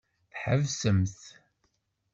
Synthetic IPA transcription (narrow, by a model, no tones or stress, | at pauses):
θħəvsəmθ